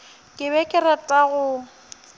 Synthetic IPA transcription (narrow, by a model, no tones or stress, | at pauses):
kʼɪbɛkʼɪɾatʼaɣʊ